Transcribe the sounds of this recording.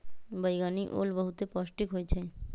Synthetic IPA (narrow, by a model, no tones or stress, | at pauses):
bəjɡaniʔo̰lbɔɦut̪epɔʃʈikɦoet͡ɕʰe